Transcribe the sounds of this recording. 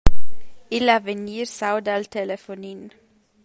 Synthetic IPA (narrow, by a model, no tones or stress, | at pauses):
ɪlɑʋəniːɾsaʊd̪ɑlt̪ʰɛləfʊniːn